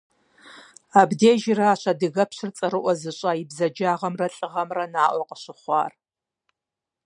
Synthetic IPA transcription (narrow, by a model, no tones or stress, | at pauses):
abdeːʒɪrɐaːɕɐdɨɣɐpɕɨrt͡sʼɐɾɨʔʷɔzɨɕʼajibzɐd͡ʒaːʁɐmrɐɬʼɨʁɐmrɐnaːʔʷɔqəɕɪχʷɑ̰ːr